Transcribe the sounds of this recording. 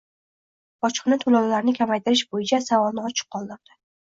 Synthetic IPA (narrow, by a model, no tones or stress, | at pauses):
ɒt͡ʃqʰɨnat̪ʰolawlaɾnɪkʲʰamajt̪ʰɪɾɪʃbojɪt͡ʃʰasavɒlˠnɪɒt͡ʃʰɨ̥qʰːɒlˠd̪ɪɾd̪̥ɪ̥